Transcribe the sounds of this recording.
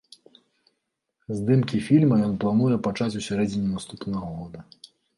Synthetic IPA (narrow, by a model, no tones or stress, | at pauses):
zd̪ɨmkʲifʲilʲmɐjɔnplˠanujɛpat͡ʂat͡sʲusʲaɾɛd͡zʲɪnʲinast̪upnɐɣɐɣɔd̪ɐ